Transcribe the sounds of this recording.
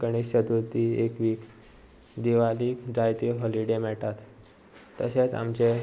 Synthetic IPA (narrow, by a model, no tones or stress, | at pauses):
kəɳ̃iɕəd̪ut̪iekʋiːk | d̪iʋaliːkd͡zajt̪iɦɔliɖemɛʈat̪ː | əset͡sa̰mt͡ɕe